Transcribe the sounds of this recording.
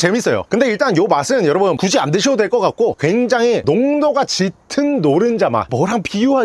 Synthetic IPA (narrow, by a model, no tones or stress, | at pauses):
t͡ɕe̞mis͈ʌjo̰kɯnde̞iɭt͈anjomas͈ɯnjʌɾʌbɯnkud͡ʑiandɯɕʰʌdwe̞ɭk͈ʌk͈ak͈̚okwe̞ŋd͡ʑaŋɦinoŋnoɡat͡ɕitʰɯnːoɾɯnd͡ʑama̰mʌɾɦanpijuɦa